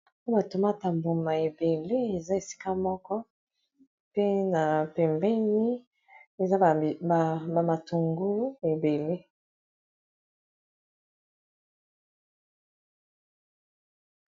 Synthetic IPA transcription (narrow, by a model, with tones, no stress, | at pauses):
po˦ba˨to˨ma˦˨ta˨mbo˨ma˨e˨be˨le˦e˨za˦e˨si̥˦ka˦mɔ˦kɔ˦ | pe˦na˨pɛ˨mbɛ˦ni˦ | e˨za˦˨ba˨ma˨tu˨ŋɡu˦e˨be˨le˦